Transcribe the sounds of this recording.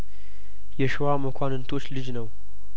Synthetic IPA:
jɛʃɨwaməkʷʰanɨnt̪ʰo̞t͡ʃːlɨd͡ʒnəw

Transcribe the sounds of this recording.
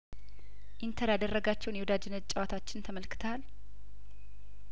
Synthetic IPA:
ʔint̪ʰəɾjad̪ərːəɡat͡ʃːɛwnjɛwd̪ad͡ʒɪnːət͡ʃʼːɛwat̪ʰat͡ʃːɪnt̪ʰəməlkʰɨ̥t̪ʰal

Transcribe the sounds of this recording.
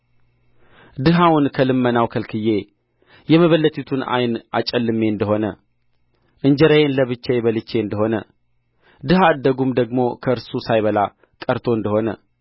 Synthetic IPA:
d̪ɨɦawunkʰəlɨmːənawkʰəlkʰɨjːe | jɛməβəlːət̪ʰʼit̪ʰuna̰jnʔat͡ʃʼɛlːɨmːe̞ɨnd̪əɦo̞nə | ʔɨnd͡ʒɛɾəjenləβɨt͡ʃːejβəlɨt͡ʃːe̞ɨnd̪əɦo̞nə | d̪ɨhad̪ːəɡumd̪əɡmo̞kʰəʔɨɾsusajβəla | kʼəɾt̪ʰo̞ɨnd̪əho̞nə̰

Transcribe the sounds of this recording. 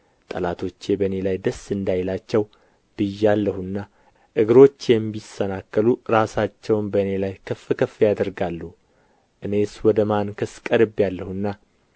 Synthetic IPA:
t̪ʼə̰lat̪ʰo̞t͡ʃːebəne̞lajd̪əsɨnd̪ajlat͡ʃːɛw | b̥ɨjːalːəhunːa | ʔɨɡɨɾo̞t͡ʃːɛmbisənakːəluɾasat͡ʃːɛwnbəne̞lajkʰəfːɨkʰəfjad̪əɾɡalːuhu | ʔɨne̞swɔd̪əmankʰɨskʼəɾɨbjalːəhunːa

